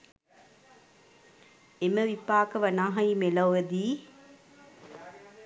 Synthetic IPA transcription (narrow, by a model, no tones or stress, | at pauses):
eməʋipaːkəʋɐnaːɦɐimelɐwed̪iː